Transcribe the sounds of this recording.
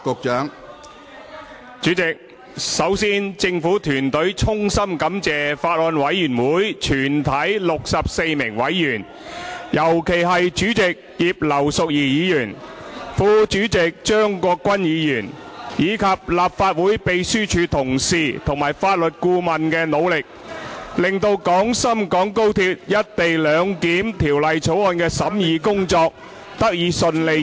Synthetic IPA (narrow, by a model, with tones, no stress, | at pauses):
kʊ˨k̚t͡ʃœː˨˥ŋ | t͡ʃyː˨˥t͡sɪ˨k̚ | sɐ˨˥wsiː˥nt͡sɪ˧ŋfuː˨˥t̪ʰyː˨˩nt̪ɵ˨˥ɥt͡ʃʰʊ˥ŋsɐ˥mkɐ˨˥mt͡sɛː˨faː˧t̚lɔː˧nwɐ˨˥jːyː˨˩nwuː˨˥jt͡ʃʰyː˨˩nt̪ʰɐ˨˥jlʊ˨k̚sɐ˨p̚se˧jmɪ˨˩ŋwɐ˨˥jːyː˨˩n | jɐ˨˩wkʰe˨˩jɦɐ˨jt͡ʃyː˨˥t͡sɪ˨k̚jiː˨p̚lɐ˨˩wsʊ˨k̚jiː˨˩jiː˨˧jyː˨˩nfuː˧t͡ʃyː˨˥t͡sɪ˨k̚t͡ʃœː˥ŋkɔː˧kːwɐ˥njiː˨˧jyː˨˩njiː˨˧kʰɐ˨p̚laː˨p̚faː˧t̚wuː˨˥jpe˨jsyː˥t͡ʃʰyː˨˧t̪ʰʊ˨˩ŋsiː˨t̪ʰʊ˨˩ŋmaː˨˩jfaː˧t̚lɵ˨t̚kuː˧mɐ˨nkɛː˧no˨˧wlɪ˨k̚lɪ˨ŋt̪o˧wkɔː˨˥ŋsɐ˥mkɔː˨˥ŋko˥wt̪ʰi˧p̚jɐ˥t̚t̪e˨jlœː˨˧ŋkiː˨˥mt̪ʰiː˨˩wlɐ˨jt͡sʰo˨˥wɔː˧nkɛː˧sɐ˨˥mjiː˨˧kʊ˥ŋt͡sɔː˧k̚ | t̪ɐ˥k̚jiː˨˥sɵ˧nle˧